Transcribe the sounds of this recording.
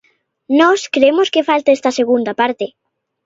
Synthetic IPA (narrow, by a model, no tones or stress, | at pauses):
nɔskɾeemoskefalt̪aest̪aseɣ̞und̪apaɾt̪e